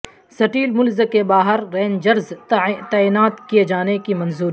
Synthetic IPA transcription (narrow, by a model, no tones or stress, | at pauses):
sɐʈiːlmʊlzəkebaːɦəɾːɛːnd͡ʒɐɾzt̪aːiːnaːt̪kied͡ʒaːnekimɐ̃nzuːɾi